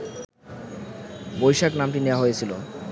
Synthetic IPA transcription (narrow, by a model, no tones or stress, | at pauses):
bojʃaknamʈinewaɦojet͡ɕʰilo